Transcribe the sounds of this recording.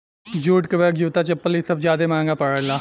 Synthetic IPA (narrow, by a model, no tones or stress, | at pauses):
d͡ʒuːʈkəbɛːkd͡ʒuːt̪aːt͡ʃəpːəlisəbzjaːd̪eːmãːŋɡaːpəɽəlaː